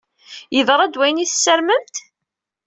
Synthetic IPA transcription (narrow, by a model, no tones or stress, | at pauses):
jəðɾˤæd̪wæjniθsːəɾməmt̪